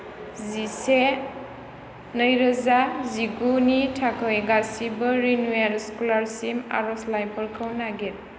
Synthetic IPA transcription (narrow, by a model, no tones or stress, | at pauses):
zise | nəjɾəzaziɡunitʰakʰɯjɡasibəɾinuaɾskulaɾsima̰ɾɔslajpʰɔɾkʰəwnaɡet̚